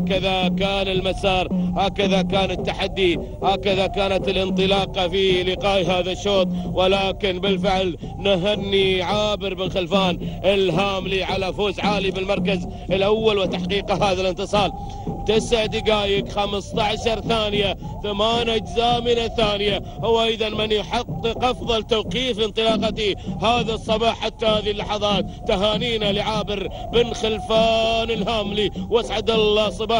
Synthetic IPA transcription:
akaðakaːnɪlmasɑːɾˤhaːkaðakaːnɪt̪ːaħad̪ːi | haːkaðakaːnat̪ɪlʔɪnt̪ˤɨlɑːqɑfilɪqɑːjɦaːðaʃːoːt̪ˤwɪlaːkɪnbɪlfɪʕl | naɦanːiʕaːbɪɾmɪnxɪlfaːnʔɪlɦaːmliʕalafoːzʕaːlibɪlmɑɾˤkaz | ɪlʔawːalwɪt̪ːaħqiːqɑɦaːðalɪnt̪ɨsˤɑːl | t̪ɪsʕd̪ɪɡaːjɪkxamst̪aʕʃɑɾˤθaːnɪja | θamaːnat̪zaːmɪnaθaːnɪja | hʊwːʔɑjðˤɑnmɪnjħɑqːɨqʔɑfðˤɑlt̪awqiːfɪnt̪ˤɨlɑːqɑt̪ihaːðasˤːɑbɑːħːat̪ːahaːðilːɑħɑðˤɑːt̪̚ːaɦaːniːnalɪʕaːbɪɾ | bɪnxɪlfaːnɪlhaːmliwasʕad̪ɑlːɑːsˤɑbɑː

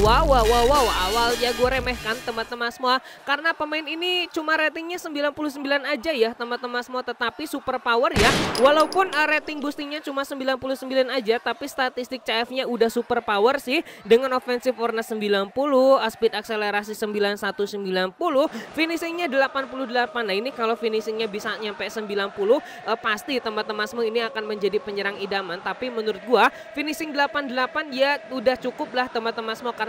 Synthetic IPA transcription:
wawawawawawaljaɡuaɾemɛhkant̪əmbat̪əmasəmoa | kaɾənapəmaɪninit͡ʃumaɾet̪ɪŋɲasəmbilanpulʊhsəmbilanad͡ʒajaht̪əmbat̪ːəmasəmoat̪ət̪apisupərpawərjawalaupʊnəɾet̪ɪŋbust̪ɪŋɲat͡ʃumasəmbilanpulʊhsəmbilanad͡ʒat̪apist̪at̪ist̪ɪk̚t͡ʃaɛfɲaudahsupərpawərsɪhdəŋanofɛnsɪfornasəmbilanpulʊhaspɪt̪̚ak̚seleɾas̬isəmbilansat̪usəmbilanpulʊhfinisɪŋɲadəlapanpuluhdəlapanːainikalofinisɪŋɲabisaɲampɛʔsəmbilanpulʊh | ʔəpast̪it̪əmat̪əmasmoiniakanməɲd͡ʒadipəɲəɾaŋidamant̪apimənuɾʊt̪̚ɡua | finisɪŋdəlapandəlapandiaudaht͡ʃukʊp̚laht̪əmbat̪əmasmokar

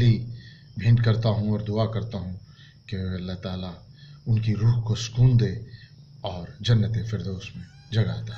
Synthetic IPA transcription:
libʱɪ̃ːnɖkɐɾt̪aɦũɔːɾd̪ʊakɐɾt̪aɦũ | keɐlːaɦt̪aːla | ʊnkiɾuːɦkosʊ̥kuːnd̪eː | ɔːɾd͡ʒɐnːət̪efɪɾd̪oʊsmẽ | d͡ʒɐɡaːt̪aɦɛ

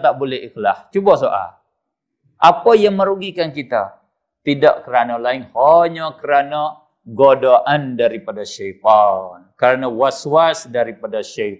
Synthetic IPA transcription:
t̪aʔbolɛɦiklaht͡ʃubasoʔa̰ | ʔapajaŋməɾuɡikankit̪a̰ | t̪idaʔkəɾanalaɪŋhaɲakəɾana | ɡodaʔandaɾipadaʃait̪ankəɾanawaswasdaɾipadaʃa

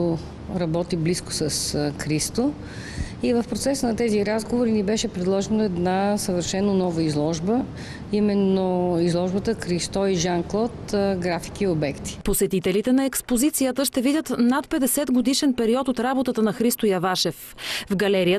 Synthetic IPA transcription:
o | ɾɐbɔt̪iblisko̥səskɾist̪o | ivəfpɾot̪sɛsənɐt̪ɛziɾazɡovoɾinibɛʃɛpɾɛd̪lˠɔʒɛnoɛd̪nasəvəɾʃɛnːonɔvəizlˠɔʒbə | imɛnːoizlˠɔʒbət̪əkɾist̪ɔiʒanklˠɔt̪ɡɾafi̥kiobɛkt̪i̥posɛt̪it̪ɛlit̪ɛnɐɛkspozit̪sijət̪əʃt̪ɛvidʲət̪nat̪pɛd̪ɛsɛd̪ɡod̪iʃɛnpɛɾiɔt̪ot̪ɾabot̪ət̪ənɐxɾist̪ojɐvaʃɛf | vɡɐlɛɾijə

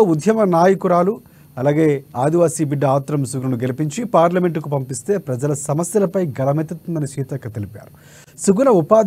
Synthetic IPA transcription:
oud̪ʱjɐmɐnaːjɐkuɾaːlu | ɐlaːɡe̞ːaːd̪iʋaːsiːbiɖːɐaːt̪ɾɐmsuɡunɐnuɡe̞lipiɲt͡ʃipaːɾlɐme̞ɳʈukupɐmpist̪e̞ːpɾɐd͡ʒɐlɐsɐmɐsjɐlɐpɐjɡɐlɐmet̪ɐt̪und̪ɐnit͡ʃiːt̪ɐkːɐt̪elipa̰ːɾu | suɡunɐupaːd̪

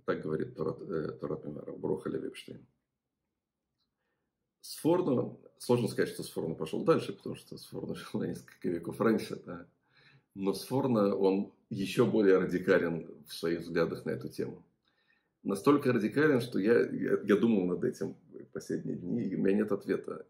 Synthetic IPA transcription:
t̪ak̚ɡəvɐɾʲḭt̪ːoɾ̰t̪ːoɾat̪̚mʲɪmʲə̰ɾə̰bɾo̰xəlʲɪ̰vʲḛpʂt̪ḛjn | sfornʊslˠo̞ʐnəskɐzatʲʂt̪o̞sfo̞rnəpɐʂlˠo̰d̪alʲʂɨpət̪ɐmuʂt̪osfo̞̰rnəʂilˠnɐnʲeskə̥lʲkəvʲeko̞franʲʂɨd̪a | no̞sfo̞rnəo̞n | jɪɕːo̞bo̞lʲɪjəɾədʲɪkalʲɪnfsvɐiɣvzɡlʲad̪əxnɐɛt̪ʊtʲḛmʊ | nɐst̪o̞lʲkəɾədʲɪkalʲɪnʂt̪o̞jaja̰jad̪uməlˠnɐd̪ɛtʲɪm | fpɐsʲlʲedʲnʲɪ̰jədʲnʲiːʊmʲɪnʲanʲe̞t̪ɐt̪vʲe̞t̪ə̰

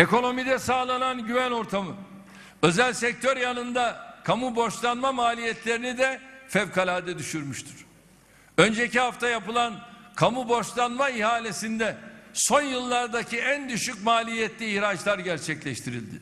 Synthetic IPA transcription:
e̞ko̞no̞mid̪ɛsaːlˠananɟyvæno̞ɾt̪ʰamɯ | ø̞zælʲsɛc̚t̪ʰø̞ɾjanɯnd̪akʰamubo̞ʃlˠanmamaːlʲijɛt̪lʲe̞ɾinid̪ɛfɛvkʰalʲaːd̪ɛd̪yʃyɾmyʃt̪ʰyɾ̥ | ø̞nd͡ʒecihaft̪ʰajapɯlˠankʰamubo̞ʃlˠanmaihaːlʲe̞sind̪ɛso̞njɯlˠːaɾd̪aciænd̪yʃycmaːlʲijɛt̪lʲiːhɾad͡ʒlˠaɾɟæɾt͡ʃʰɛclʲɛʃt̪ʰiɾḭlʲd̪ɪ̰

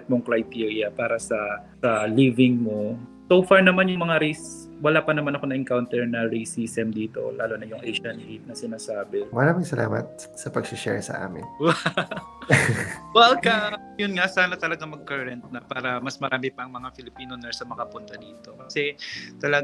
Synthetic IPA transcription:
ɐt̪̚moŋkɾɐjt̪iɹjɐpaːɾɐsɐsɐliːvɪŋmo̞sowfaɹnɐmanjʊŋmɐŋaɾis | wɐlaːpɐnɐmanɐko̞nɐʔɪŋkawnt̪ɛɹnɐɹisiːsɛmd̪iːt̪o̞̰la̰ːlonɐjʊŋʔɛjʃɐnhit̪̚nɐsɪnaːsaːbɛmɐɾaːmɪŋsɐla̰ːmɐ̰t̪̚ | sɐpɐɡsʊʃɛ̰ɹsɐ̰ʔa̰ːmɪ̰nwɐ | wɛlkɐ | jʊnŋasaːnɐt̪ɐlɐɡaŋmɐɡ̚kɐɹɐnt̪̚nɐpaːɾɐmɐsmɐɾaːmɪpɐʔɐŋmɐŋafɪlɪpiːnonɛɹsɐmɐŋapʊnt̪ɐd̪iːt̪o̞kɐsɛt̪ɐlɐɡ

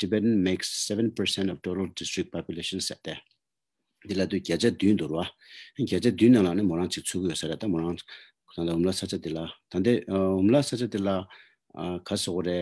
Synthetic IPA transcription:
d̥ibɛtnmeksːɛvə̃npə˞sɛ̃ntɔftoɾəldɪstɹɪk̚pʰapjuleʃə̃nsɛʔt̪eː | d̪ilat̪ycat͡ɕad̪ynd̪uɾea | ʔəncat͡ɕad̪yːnːaŋlaʔnemoɹaŋt͡ɕik̚t͡sʰokijøsaɾet̪amoɾaŋ | t̪ʰand̪aɦumlasat͡ɕat̪elat̪ʰand̪eɦumlasat͡ɕat̪ela | kʰasokoɾeʔ

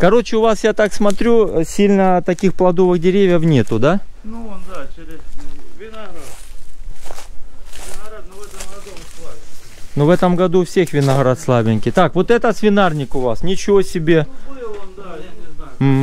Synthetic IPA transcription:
kɐɾo̞t͡ɕɪʊvasjat̪aksmɐt̪ɾʲusʲilʲnət̪ɐkʲixplˠɐd̪o̞vɨɣdʲɪɾʲevʲjəfnʲe̞t̪ʊd̪a | nuvɛt̪əmɡɐd̪ufsʲe̞xvʲɪnɐɣɾat̪slˠabʲɪnʲkʲɪt̪akvo̞t̪ɛt̪əsvʲɪnarnʲɪkʊvasnʲɪt͡ɕɪvo̞sʲɪbʲe̞ | m̩

